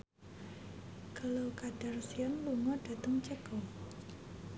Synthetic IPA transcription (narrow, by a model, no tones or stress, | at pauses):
kəlokad̥ərsiɔnluŋɔɖ̥a̤t̪əŋt͡ʃəɡ̥ɔ